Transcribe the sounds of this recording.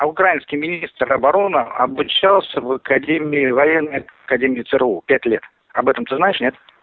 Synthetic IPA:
ʊkɾajɪnskʲɪjmʲɪnʲist̪rɐbɐɾo̞nɨɐ̰bʊt͡ɕalˠsʲəvɐkɐdʲemʲɪɪvɐjɛnːəjkɐdʲemʲɪːt̪sɨɾɨupʲætʲlʲet̪ | ɐbɛt̪əmt̪ɨznaɪʂnʲe̞t̪

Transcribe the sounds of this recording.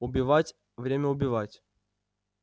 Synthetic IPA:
ʊbʲɪvatʲ | vɾʲemʲəʊbʲɪvatʲ

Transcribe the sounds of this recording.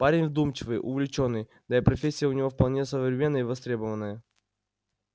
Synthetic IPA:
paɾʲɪnʲvd̪umt͡ɕɪvɨjʔʊvʲlʲɪt͡ɕo̞nːɨj | d̪ipɾɐfʲesʲːɪjəʊnʲɪvo̞fpɐlˠnʲesəvvɾʲɪmʲe̞nːəjəvɐst̪ɾʲe̞bəvənːəjə

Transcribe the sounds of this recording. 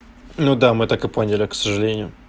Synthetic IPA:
nud̪amɨt̪akɨponʲɪlʲɪksəʐɨlʲenʲɪjʊ

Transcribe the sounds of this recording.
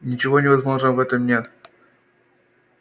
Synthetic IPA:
nʲɪt͡ɕɪvonʲɪvɐzmo̞ʐnəvɛt̪əmnʲe

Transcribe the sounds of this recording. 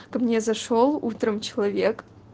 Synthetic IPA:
kmnʲezɐʂolˠṵt̪rəmt͡ɕɪlˠɐvʲek

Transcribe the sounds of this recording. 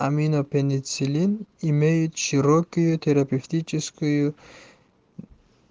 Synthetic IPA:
aminopenʲit͡silʲinimejʊt̪ʃɨɾɔkʲʊjut̪ʰeɾapʲeft̪it͡ʃʰɪskʊju

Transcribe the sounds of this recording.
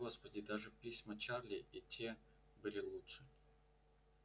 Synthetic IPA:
ɡo̞spədʲɪd̪aʐɨpʲisʲmət͡ɕarlʲɪitʲe | bɨlʲɪlˠutʂɨ̥

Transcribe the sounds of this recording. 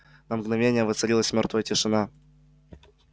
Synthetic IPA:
nəmɡnɐvʲenʲɪjəvɨt̪sɨlʲilˠəsʲmʲort̪vəjətʲɪʂɨna

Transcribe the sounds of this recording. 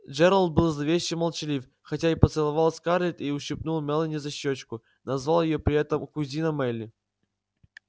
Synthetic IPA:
d͡ʒɛɾəlˠt̪̚bɨlˠzɐvʲeɕːɪmɐlˠt͡ɕɪlʲif | xɐtʲaipət̪sɨlˠɐvalˠsʲkarlʲɪt̪iʊɕːɪpnulˠmʲɛlˠənʲɪzɐɕːot͡ɕkʊ | nɐzvalˠjɪjopɾʲɪɛt̪əmkʊzʲinɐmɛlʲːɪ

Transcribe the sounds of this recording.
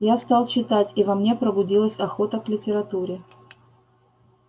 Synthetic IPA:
jast̪ɑlˠt͡ɕːɪt̪atʲivɐmnʲe̞pɾəbʊdʲilˠəsʲɐxo̞t̪əklʲɪtʲɪɾɐt̪uɾʲɪ

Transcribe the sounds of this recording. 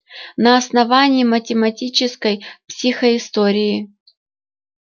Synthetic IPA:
nɐɐsnɐvanʲɪjːmətʲɪmɐtʲit͡ɕɪskəjpsʲixəɪst̪oɾʲɪjɪ

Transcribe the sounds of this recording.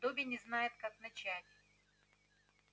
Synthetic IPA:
d̪obʲɪjnʲɪznajɪt̪̚kaknɐt͡ɕætʲ

